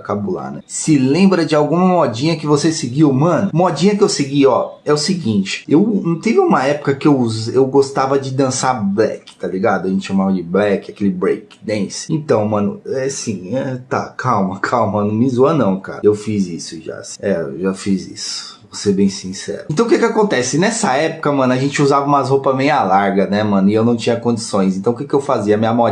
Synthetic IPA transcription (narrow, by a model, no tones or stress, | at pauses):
kabola̰nɛ̰sɪlẽmbɾɐd͡ʒɪawɡũmɐmɔd͡ʒĩɲɐkɪvosesɪɡiwmɐ̃nʊmɔd͡ʒĩɲɐkɪewsɪɡiɔɛʊsɪɡĩt͡ʃɪ̥ewnũt̪ẽvũmɐɛpʊ̥kɐkɪewzewɡost̪avɐd͡ʒɪd̪ɐ̃sablɛ̰kɪ̥t̪aliɡad̪ʊɐʒẽt͡ʃɪ̥ʃamavɐd͡ʒɪblɛkɪakelɪbɾejkɪ̥d̪ẽsɪ̥ẽt̪ɐ̃w̃mɐ̃nʊ̰ɛsĩɛt̪a̰kʰawmɐkʰawmɐnũmizuɐnɐ̃w̃ka̰ɾɐewfizisʊʒa̰sĩ̥ɛʒafizḭsʊ̥ | vosebẽj̃sĩsɛ̰ɾʊẽt̪ɐ̃w̃kɛkɪakõnt̪ɛsɪnɛsɐɛpʊ̥kɐmɐ̃nʊɐʒẽnt͡ʃɪuzavɐũmɐzhopɐmẽjɐlaɾɡɐnɛmɐ̃nʊɪewnɐ̃w̃t͡ʃĩɲɐkõd͡ʒisõj̃s̬ẽnt̪ɐ̃w̃kɛkɪewfaziɐmĩɲɐmɔ